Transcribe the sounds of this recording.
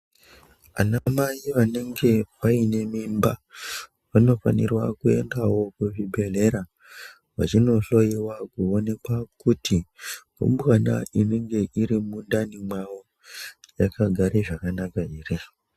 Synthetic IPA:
a̰namajiʋane̞ŋɡe̞paine̞mimba | ʋano̞fa̰nḭrwa̰kue̞̰ndawo̞kuʐibʱe̞le̞ɾa | ʋa̰t͡ʃino̞ɬo̞jiwakuone̞kwakuti | ṵmbɣana̰ine̞ŋɡe̞ʔiɾimundanimwawo̞ | jakaɡʱaɾeʐakanakaiːre

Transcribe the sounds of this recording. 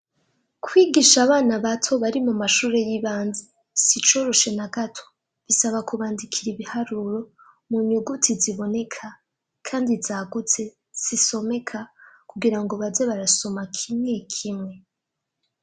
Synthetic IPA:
kʰwiːɡiʃaβaːnaβatʰo̞βaɾimumaʃuːɾe̞jiβaːnze | sit͡ʃo̞ɾo̞ʃe̞naɡatʰo̥ | βisaβakuβaːndikʰiɾiβihaɾuɾo̞ | muɲuɡutʰiziβo̞ne̞kʰa | kʰaːndizaɡut͡se̞ | z̥iso̞me̞kʰakuɡiɾaŋɡo̞βazeβaɾaso̞makʰimŋe̞kʰimŋe̞

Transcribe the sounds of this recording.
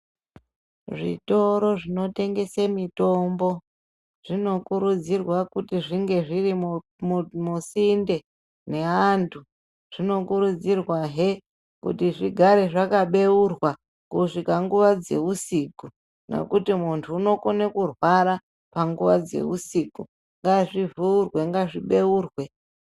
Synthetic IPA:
ʐḭto̞ɾo̞ʐino̞te̞ŋɡe̞semito̞mbo̞ | ʐ̥ino̞kuɾud͡zirwakutiʐiŋɡe̞ʐiri | musinde̞ | ne̞antʰu | ʐ̥ino̞kuɾud͡zirwaɦe | kṵtiʐiɡʱaɾe̞ʐakaɓe̞urwa | kuʂikaŋɡuʋad͡ze̞usiku | nḛkutimuntʰuːno̞konekurwaɾa | paŋɡuʋad͡ze̞̰usiku | ŋɡaʐivuurwe̞ŋɡaʐiɓe̞uːrwe̞

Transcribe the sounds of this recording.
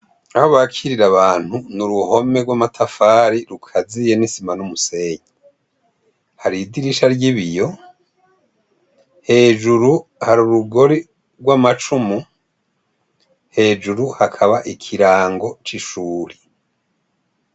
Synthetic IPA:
ahoβakʰiɾiɾaβaːn̥hunuɾuho̞me̞ɡwamatʰafaːɾiɾukʰazije̞nisimanumuse̞ːɲi | haɾidiɾiʃaɾɟiβijo̞ | he̞ːd͡ʒuɾuhaɾuɾuɡo̞ɾi | ɾɡwamat͡ʃumu | he̞ːd͡ʒuɾuhakʰaβaʔikʰiɾaːŋɡo̞t͡ʃiʃuːɾi

